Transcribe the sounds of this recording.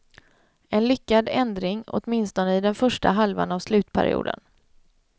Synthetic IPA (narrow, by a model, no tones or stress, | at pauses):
ɛnlʏkːad̪ɛnd̪ɾɪŋɔ̰t̪mɪnst̪ɔnəɪd̪ɛnfœʂʈaɦalva̰navslʉ̟ːt̪pʰæ̰ɾɪ̰ṵːd̪ə̰n